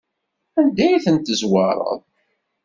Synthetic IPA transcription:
ænd̪æjiθənt̪əzwɑɾˤə̰ðˤ

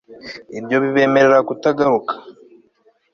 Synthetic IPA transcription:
ibjo̞βiβe̞ːme̞ɾe̞ɾakutaɡaɾukḁ

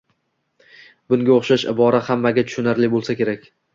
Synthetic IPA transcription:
bʊŋɡʲaoχʃaʃɪ̰bɒɾahamːaɡʲat̪ʰʊ̥ʃʊnaɾlɪbolˠsakʲʰe̞ɾakʲ

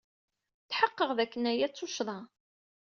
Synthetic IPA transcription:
θħəqːəʁðækːənæjæt͡sːʊʃðˤɑ

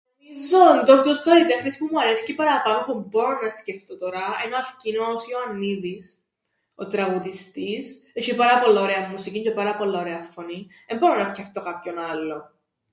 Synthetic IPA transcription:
izond̪oŋɡoskolit̪exnispumuɐɾesi̥cepɐɾɐpɐnopumboɾonɐsce̞ft̪ot̪oɾɐenoɐlcinosioɐnːiðis | ot̪ɾɐɣuðist̪iseçipɐɾɐpo̞lːaoɾeɐmːusiciɲcepɐɾɐpo̞lːɐoɾeɐfːoniðemboɾonɐsceft̪o̞kɐpçonɐlːo

